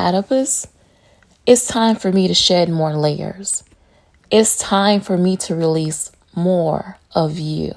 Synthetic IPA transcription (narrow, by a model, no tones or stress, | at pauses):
æ̰ɾəpɨz | ɨtstʰãɪ̃ɱfə˞miɾɨʃɛd̚mɔɹleɪə̰˞z̥ | ʔɪtstʰãɪ̃ɱfə˞miɾɨɹilis | mɔɹʌvjʉ̰